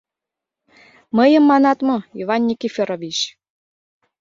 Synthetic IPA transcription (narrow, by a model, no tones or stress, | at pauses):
məjə̆mːɑnɑt̪mɤ̆ivɑnʲːikʲifʲeɾovʲit͡ɕ